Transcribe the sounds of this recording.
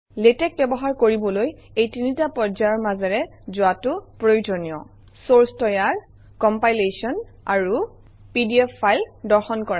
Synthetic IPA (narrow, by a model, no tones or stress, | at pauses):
letɛk̚bɛbɔɦaɹkoɹibɔlojejtinitapɔzaɔɹmazɛɹɛzʊatʊpɹojd͡ʒɔnijɔ̰ | soɹstɔjaɹ | kɔmpajlesiɔnaɹu | pidiɛpʰːajldɔɹxɔnkɔɹa